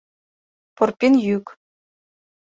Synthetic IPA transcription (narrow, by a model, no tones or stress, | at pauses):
porpʲinjykʲ